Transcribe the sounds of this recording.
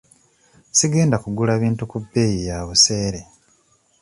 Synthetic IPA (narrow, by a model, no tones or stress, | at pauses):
siɡe̞ːndakuɡulaβiːntukubːejijaβuse̞ːɾe